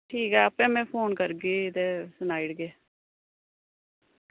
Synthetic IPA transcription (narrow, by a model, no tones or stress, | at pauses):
ʈʰiːkɛːəpɛ̃ːmɛ̃ːpʰoːnkəɾɡiːt̪eːsənaːɪɽɡeː